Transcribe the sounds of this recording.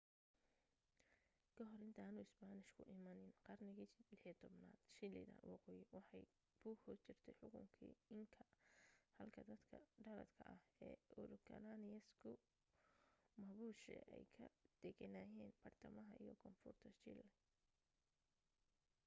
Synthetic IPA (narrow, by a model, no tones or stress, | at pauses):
kʰɐɦɔɾɪnt̪ʰaːnʊːɪsbanɪʃkʰʊʔɪmɐnɪnqɑrnɪɣilɪħit̪ʰɔbnaːd̪̥ʃɪlɪ̰ðɐ̰nwɑqɔːjɪwɑħɑj | buːhʊt͡ʃɪrt̪ʰɛjħʊɣʊŋkʰḭːɪŋkʰɐhɐlkʰɐd̪ɐd̪kʰɐɖɐɾɐ̰d̪kʰɐʔɐhɛːʊɾkʰɐ̰lanɪjɐskʰʊ | mɐβuːʃɛ̰ʔɛjkʰɐ̰d̪̥ɛɣɐnaːjɛːnbɐrt̪ʰɐmɐɦɐʔijɔkʰɔmfʊrt̪ʰɐt͡ʃɪlɛ